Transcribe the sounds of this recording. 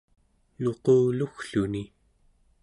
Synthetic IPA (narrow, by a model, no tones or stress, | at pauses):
noquːluxɬuni